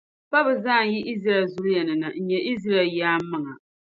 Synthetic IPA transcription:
pa˦bɨ˨zaː˦˨ji˦ʔi˦zɾa˨ɛ˨lzʊ˦ɾʊ˦jɛ˨nɨ˨na˨n̩˨ɲɛ˨ʔi˦zɾa˦˨ljaː˦mː˦ɨ˦ŋa˨

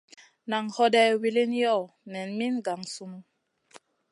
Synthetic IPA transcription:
na˨ŋhɔ˦dɛ˦wi˦li˦njɔ˦˨ | mɛ˨nmi˦nɡa˨ŋsu˦mu˦

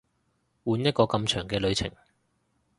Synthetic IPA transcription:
wuː˨˧njɐ˥t̚kɔː˧kɐ˧mt͡ʃʰœː˨˩ŋkɛː˧lɵ˨˧ɥt͡sʰɪ̰˨˩ŋ

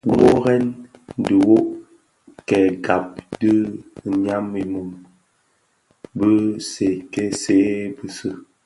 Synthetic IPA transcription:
wo˦ɣɛ˦n˨də˨wo˦ʔ | kɛ˨ɡa˨p̚də˦˨ɲa˦mːi˨mu˨m | bə˦se˨kɛ˦se˨˦bə˦sə˦

